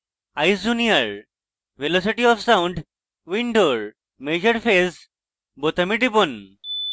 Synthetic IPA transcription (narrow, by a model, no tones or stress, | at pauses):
ajsd͡ʑunijəɭ | ʋelɔsiʈiɔfsãuɳɖ | ʋiɳɖoɾ | med͡ʑəɾfes | bot̪əmiʈipon